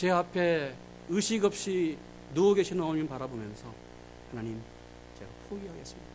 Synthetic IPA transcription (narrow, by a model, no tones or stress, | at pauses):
t͡ɕe̞apʰe̞ | ɯɕʰiɡʌp̚ɕ͈i | nuɡoɡeɕʰinʌminpaɾabomjʌnsʰʌ | hanaɲim | t͡ɕḛɡapʰoɡiɦaɡes͈ɯmɲid̥a